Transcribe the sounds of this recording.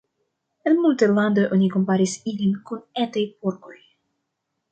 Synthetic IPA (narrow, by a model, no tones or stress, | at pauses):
enmultaland̪oʔonikompaɾisilinkunetajpoɾko̞j